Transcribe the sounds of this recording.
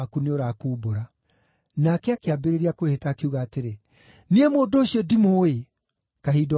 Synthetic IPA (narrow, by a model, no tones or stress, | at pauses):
kuneoɾaːkuboɾa | nakɛakeabeɾeɾeakwehetaːkeuɣaːteɾe | niemoːndoːɕiɔdimoe | kaɦiːd